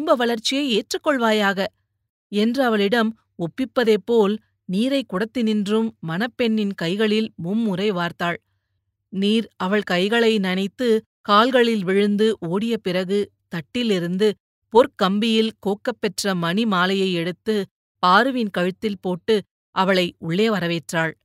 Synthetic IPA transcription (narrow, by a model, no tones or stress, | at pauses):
ɪmbɐʋɐɭɐɾt͡ʃːɪjɐɪeːʈrɯkːɔɭʋaːjaːɣɐ | ɛndrɯɐʋɐɭɪɽɐm | ɔpːɪpːɐðeːpːoːl | niːɾɐɪkːʊɽɐt̪ːɪnɪndrɯmːɐnɐpːɛɳːɪnkɐɪɣɐɭɪlmʊmːʊrɐɪʋaːɾt̪aːɭ | niːɾɐʋɐɭkɐɪɣɐɭɐɪnɐnɐɪt̪ːɯ | kaːlɣɐɭɪlʋɪɻɯnd̪ɯʔoːɽɪjɐpɪrɐɣɯ | t̪ɐʈːɪlɪɾɯnd̪ɯ | pɔɾkɐmbɪjɪlkoːkːɐpːɛʈrɐmɐnimaːlɐjɐɪɛɽɯt̪ːɯ | paːɾɯʋɪnkɐɻɯt̪ːɪlpoːʈːɯ | ʔɐʋɐɭɐɪʊɭːeːʋɐɾɐʋeːʈraːɭ